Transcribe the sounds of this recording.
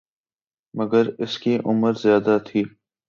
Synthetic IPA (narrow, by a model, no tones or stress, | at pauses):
mɐɡəɾɪskiʔʊməɾzjaːd̪at̪ʰiː